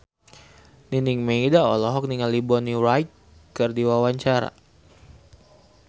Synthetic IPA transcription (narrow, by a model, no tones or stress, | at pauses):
niniŋmeidaɔlɔɦɔk̚niŋalibɔniɾajt̪̚ | kːərdiwawaɲt͡ʃaɾa̰